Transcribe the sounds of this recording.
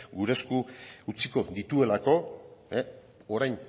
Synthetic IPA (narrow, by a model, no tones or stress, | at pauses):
ɡuɾe̞skuut͡siko̞d̪it̪ue̞lako̞e | o̞ɾajn